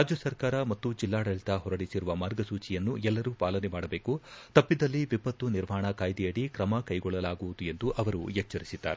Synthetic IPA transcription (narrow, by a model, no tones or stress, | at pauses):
ɾaːd͡ʒjɐsɐɾkaːɾɐmɐt̪ːud͡ʒilːaːɽɐɭit̪ɐɦɔɾɐɽisiɾuʋɐmaːɾɡɐsuːt͡ʃijɐnːuɛlːɐɾupaːlɐnɛmaːɽɐbe̞ːkut̪ɐpːid̪ɐlːiʋipɐt̪ːuniɾmaːɳɐkaːjd̪ijɐɽikɾɐmɐkɐjɡɔɭːɐlaːɡuʋud̪ue̞nd̪uʔɐʋɐɾujɛt͡ʃːɐɾisid̪̥ːa̰ːɾe